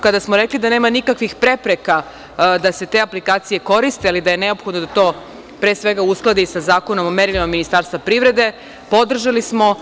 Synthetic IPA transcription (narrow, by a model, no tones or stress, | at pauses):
kad̪asmoɾeklid̪ane̞ːmanikakʋixpɾe̞pɾeka | d̪ase̞t̪e̞ːaplikaːt̪sije̞ko̞ɾist̪ealid̪ajeneo̞pxod̪nod̪at̪o̞ː | pɾeːsʋe̞ɡausklˠad̪isazaːko̞no̞momeɾilimaminist̪aːɾst̪ʋapɾivɾe̞d̪e̞ | po̞d̪r̩ʒalismo̞